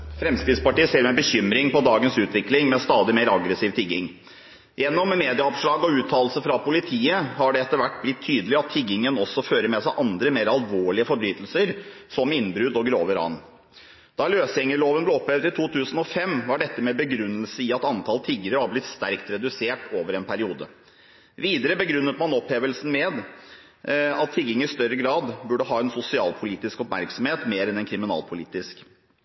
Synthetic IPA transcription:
fɾɛmskɾɪd̪spɑʈiːəseːɾmɛbəçʏmɾɪŋpɔd̪ɑːɡənsʉːt̪ʋɪklɪŋmɛst̪ɑːd̪ɪmeːɾɑɡɾəsiːʋt̪ʰɪɡːɪŋ | jɛnːɔmːeːd̪ɪɑɑʋʂɭɑːɡɔʉːt̪ʰːɑːlsəfɾɑpʊlɪt̪ʰiːəhɑɖɛɛt̪ːəɾʋæʈːblɪt̪ʰːyːd̪əlɪɑt̪ʰːɪɡɪŋənɔsːɔføːɾəɾmɛsæɪʔɑnd̪ɾəmeːɾɑlʋoːɭɪəfɔɾbɾyːt̪lsəɾsɔmɪnːbɾʉd̪ɔɡɾoːʋəɾɑ̰n | d̪̥ɑløːsjɛŋəloːʋənblɛɔpʰlɛːʋd̪ɪt̪ʰuːt̪ʰʉːsn̩ɔfɛmʋɑɖɛt̪ːəmɛbəɡɾʉnːəlsəɪɑt̪ɑnt̪ʰɑlt̪ʰiɡːəɾəɑblɪt̪st̪æɾkt̪ɾɛd̪ʉseːʈoːʋəɾɛnpʰæɾɪuːd̪ə̰ | ʋiːd̪əɾəbəɡɾʉnːət̪mɑnɔpleːʋəlsn̩mɛːd̪ | ɑt̪ʰːɪɡɪŋəɾɪst̪œɾəɡɾɑːd̪bʉɖəɦɑːɛnsʊsɪɑːlpʰʊliːt̪ɪskɔpmæ̰ɾksɔmheːt̪meːɾɛnɛnkʰɾɪmɪnɑ̰ːlpʰʊliːt̪ɪsk

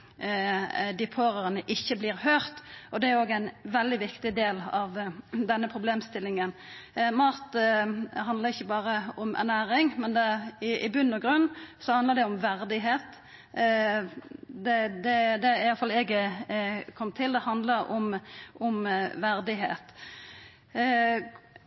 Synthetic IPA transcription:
d̪ɪpʰoːɾəənəʔɪçːəbliːɾhœːʁt̪ɔd̪ɛæɾjʊoːɡəæɪnʋɛld̪ɪʋɪkt̪ɪd̪eːlɑʋd̪ɛnːəpʰʁʊbleːmst̪ɪlɪŋənmɑʁt̪ | ɦɑnd̪ləʁɪçːəbɑːʁəɔmʔæ̰ʁnæːɾɪŋmɛnd̪ɛɪʔɪbʉnːɔɡʁʉnːsɔhɑnd̪ləʁd̪ɛʊmʋæʁd̪ɪɦeːt̪ | d̪ɛd̪ɛd̪ɛjɑlfɑlɛɡ | kʰɔmːt̪ʰɪld̪ɛhɑnd̪ləɾɔ̰mʔɔmʋæʁd̪ɪɦḛːt̪

